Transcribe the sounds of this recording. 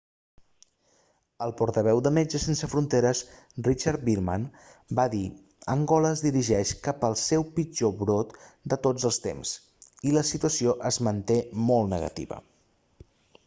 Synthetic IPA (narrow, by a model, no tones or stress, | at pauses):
əlˠpɔɾt̪əβɛwd̪əmed͡ʒəsensəfɾunt̪eɾəs | rit͡ʃaɾt̪̚biɾma̰n | baði | əŋɡɔləːzðiɾiʒɛʃkapəlˠsɛwpid͡ʒoβɾot̪d̪ət̪od͡zəlˠst̪ḛms | iləsit̪uəsioʔəzmənt̪emɔlˠt̪nəɣə̰t̪ḭβə̰